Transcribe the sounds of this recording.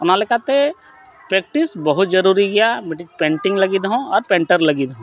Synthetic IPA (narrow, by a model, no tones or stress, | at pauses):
nalekat̪e | pɾeːk̚ʈɪsbəɦʊt̪̚d͡ʒɐɾuːɾiɡɐjamʈpẽːɳʈɪ̃ŋɡlɐɡiːd̪ɦõɔːɾpẽːɳʈəɾlɐɡid̪ɦõ